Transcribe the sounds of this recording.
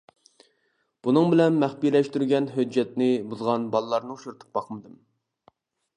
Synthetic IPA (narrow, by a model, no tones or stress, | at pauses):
b̥unɨŋbɪlɛnmæχpilɛʃt̪yɾɡʲɛnɦød͡ʒːɛt̪nɪbuzʁɑnbɑlˠəlˠɑɾnɨuʃuɾt̪ʰə̥q̚bɑqʰəmɨd̪ɨm